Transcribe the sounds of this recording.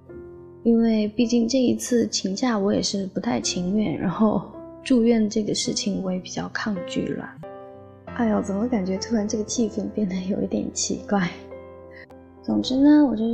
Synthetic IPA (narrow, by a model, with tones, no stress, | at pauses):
i˥nwe˥˧ɪpi˥˧t͡ɕi˥˧ŋʈ͡ʂɤ˥˩i˧˥t͡sʰɹ̩˥˩t͡ɕʰi˧˥ŋɕja˥˩wɔ˧˥jɛ˨˩ʂɻ̩˥˩pu˧˥t̪ʰa˥˩ɪt͡ɕʰi˧˥ŋɥɛ̰˥˩nɻa̰˧˥nxo˥˧ʊʈ͡ʂu˥˧ɥɛ˥˩nd̪ə˩ʈ͡ʂɤ˥˩ɡə˩ʂɻ̩˥˩t͡ɕʰi˨˩ŋwɔ˧˥jɛ˧˥pi˨˩t͡ɕjɑ˥˧ʊkʰɑ˥˧ŋt͡ɕy̰˥˩lə̰˩ | a˥˩ɪwɔ˨˧˥t͡sə˨˩nmə˦ka˨˩nt͡ɕɥɛ˧˥t̪ʰu˥ɻa˧˥nʈ͡ʂɤ˥˩ɡə˩t͡ɕʰi˥˧fə˥˧npjɛ˥˩nd̪ə˩jo˨˩ʊʔi˥˩t̪jɛ̰˨˩˦nt͡ɕʰḭ˧˥kwa˥˩ɪ | t͡sʊ˨˩ŋʈ͡ʂɻ̩˧˥nə˧wɔ˨˩t͡ɕɥɛ˥˧